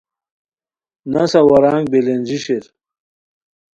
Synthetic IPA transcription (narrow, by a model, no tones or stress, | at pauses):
nɐsɐwɐɾaːŋɡ̚belend͡ʑiɕeɾ